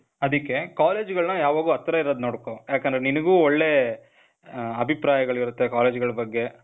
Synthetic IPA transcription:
ɐd̪ɐkːe̞kaːle̞ːd͡ʒɡɐɭnɐjaːʋaːɡuɐt̪ːɾɐiɾod̪noːɽkoːjaːkɐnd̪ɾeninɐɡuːoɭːe̞ | ɐbʱipɾaːjɐɡɐɭiɾut̪ːe̞kaːle̞ːd͡ʒɡɐɭɐbɐɡːe̞

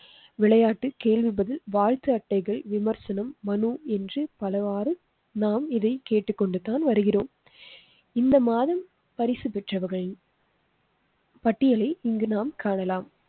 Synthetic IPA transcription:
ʋɪɭɐjaːʈːɯkeːɭʋɪbɐðɪlʋaːɻt̪ɯɐʈːɐɪɣɐɭʋɪmɐɾsɐnɐmːɐnuɛndrɯpɐlɐʋaːrɯ | naːmɪðɐɪkeːʈːɯkːɔɳɖɯt̪aːnʋɐɾɯɣɪroːm | ɪnd̪ɐmaːðɐm | pɐɾɪsɯpɛʈrɐʋɐɾɣɐɭ | pɐʈːɪjɐɭɐɪɪŋɡɯnaːmkaːɳɐlaːm

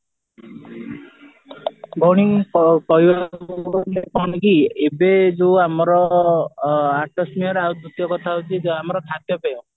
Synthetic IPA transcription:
bʱɔɽ̃ikɔjwanepɔnikiebed͡ʒuamɔɾɔ | aʈɔsmiɔɾaud̪ut̪jɔkɔt̪ʰaɦut͡ʃʰid͡ʒamɔɾɔkʰat̪jɔpejɔ̃

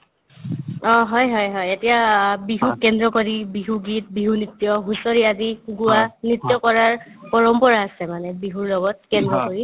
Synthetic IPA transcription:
ɔ̃ɦɔjɦɔjɦɔjetijabiɦukːɛndɹɔkoɹibiɦuɡit̚biɦunitːjɔɦusɔɹiaziɡuwanitjɔkɔɹaɹpɔɹɔmpɔɹaːsɛmanɛbiɦuɹlɔɡɔt̚kɛndɹɔkoɹi

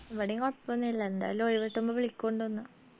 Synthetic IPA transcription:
ʋɐɽiŋoppːɐnːilːɐend̪a̰ːjlumoɻiʋɐʈːumbɐʋiɭikʲːoɳɖɨonːɐ

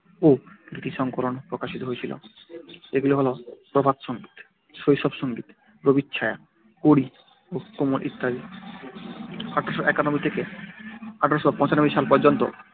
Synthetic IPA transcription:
oɾit̪iʃɔŋkolonpɾokaʃit̪oɦoet͡ɕʰilo̰ | eɡuleɦɔlopɾobʱad̪ʃɔŋɡit̪ | ʃojʃɔbʃɔŋɡit̪ | pɾobit̪ːɕʰaea̰ | koɽi | okomolʔḭt̪ʰːaɾi | aʈʰaɾʃoʔɛkanomit̪ʰeke | aʈʰaɾoʃobapɔ̃t͡ɕanobiʃalpɔɾd͡ʑont̪o̰

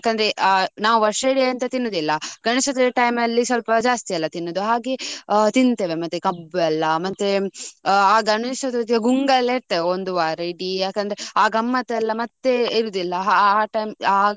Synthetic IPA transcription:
jaːkːɐnd̪ɐɾeʔnaːʋuʋɐɾʂɐɽiɐnt̪ɐt̪inːod̪ilːɐɡɐɳisɐd̪eʈɐjmɐlːisʋɐlpɐd͡ʒaːst̪ijɐlːɐt̪inːod̪uɦaːɡet̪int̪eːʋemɐt̪ːekɐbɛlːɐmɐt̪ːe | aːɡɐɳisɐd̪t̪ɐɡuŋɡɐlːeɾt̪ːeːʋeond̪uʋaːɾɐɽijaːkːɐnd̪ɾeaːɡɐmːɐt̪ɛlːɐmɐt̪ːeiɾuːd̪ilːɐɦaːʈɐjma

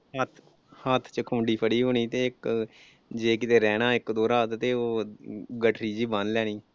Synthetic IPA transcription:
ɦət̪ʰ | hət̪ʰt͡ʃəkʰʊːɳɖiːpʰəɽiːɦoːɽ̃iːt̪eːɪk | d͡ʒeːkɪt̪eːɾɛːnãːɪkd̪oːɾaːt̪t̪eːoːɡəʈʰɾiːd͡ʒiːbə̃nlɛːɽ̃iː

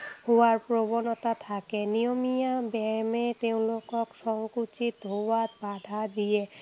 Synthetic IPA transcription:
howaɹpɹobɔnɔt̪at̪ʰakɛnijomijabɛmet̪eʊ̃lokɔksɔŋkut͡ʃit̪ɦowat̪̚bad̪ʱad̪ije

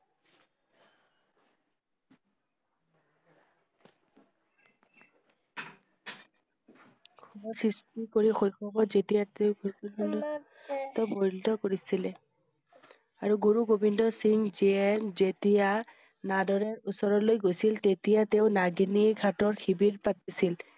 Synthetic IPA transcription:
kʰubɔsɹistikoɹixojxɔbɔzetijateʊbol | tɔboɹildɔkoɹisilɛ | aɹuɡuɹuɡobindɔsiŋziɛnzetija | nadɔɹɛɹusɔɹɔlojɡojsiltetijateʊnaɡiniɡʱatɔɹxibiɹpatisil

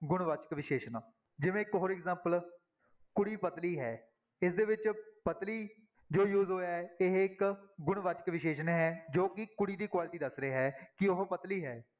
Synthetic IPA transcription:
ɡʊɳ̃ʋaːt͡ʃə̥kʋɪʃeːʃnaː | d͡ʒɪʋẽːɪkɦoːɾɪkzãːmpəl | kʊɽiːpət̪liːɦɛː | ɪsd̪eːʋɪt͡ʃpət̪liː | d͡ʒoːjuːzɦoːjaːɛɪɦɪkɡʊɳʋaːt͡ʃə̥kʋɪʃeːʃənɦɛːd͡ʒoːkɪkʊɽiːd̪iːkwaːlʈiːd̪əsɾeːɦɛːkɪoɦpət̪liːɦɛː

